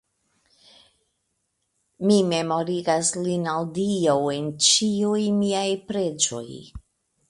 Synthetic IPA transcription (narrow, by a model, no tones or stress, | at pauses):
mime̞mo̞ɾiɡaslinaldiawe̞nt͡ʃiujmiajpɾe̞d͡ʒo̞̰j